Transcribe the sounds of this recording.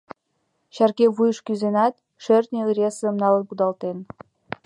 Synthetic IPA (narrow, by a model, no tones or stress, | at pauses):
ɕærkʲeβujʃkʲyzenɑt̪̚ | ʃørt̪nʲeɯɾʲeszə̆mnɑlˠənpud̪ɑlˠt̪en